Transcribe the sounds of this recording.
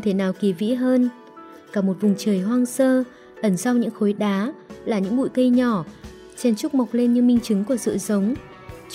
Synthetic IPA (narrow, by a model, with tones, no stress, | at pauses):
ŋ͡mt̪ʰe˧˩naː˨˩wki˨˩vḭ˧˥ɦəː˧n | kaː˧˩mo˨˩t̚vʊ˨˩ŋ͡mt͡ɕəː˨˩jɦwaː˧ŋsəː˧ | ʔə˧˩nza˧wɲɨ̰˧˥ŋxo˨˦jɗaː˨˦laː˨˩ɲɨ̰˧˥ŋɓṵ˧˨jkə˧jɲɔ˧˩ | t͡ɕɛ˧nt͡ɕʊ˦˥k͡p̚ma˨˩wk͡p̚le˧nɲɨ˧mï˧ŋ̟t͡ɕɨ˨˦ŋku˧˩əsɨ̰˧˨zə˨˦wŋ͡m